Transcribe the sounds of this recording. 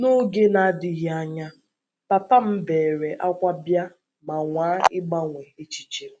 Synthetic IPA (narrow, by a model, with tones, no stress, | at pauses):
no˦ɡe˦na˨˦dɪ˨ɦi˦a˦ɲa˦ | pa˨ta˦m̩˦beː˨ɾe˨ʔa˦kʷa˦bja˦ | ma˨ŋʷaː˨˦ɪ˦ɡ͡ba˦ŋʷe˨ɦe˦t͡ʃi̥˦t͡ʃi˦